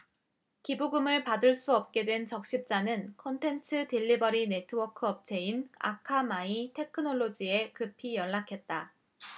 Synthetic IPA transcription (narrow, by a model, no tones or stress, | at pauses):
kibuɡɯmɯɭpadɯɭs͈uʌp̚k͈e̞dwe̞nt͡ɕʌk̚ɕ͈ip̚t͡ɕ͈anɯnkʰʌntʰe̞ntʰɯtiʎːibʌɾine̞tʰɯwʌkʰɯʌp̚t͡ɕʰe̞ina̰kʰamaitʰe̞kʰɯnoɭːod͡ʑie̞kɯpʰijʌɭːakʰe̞t̚t͈a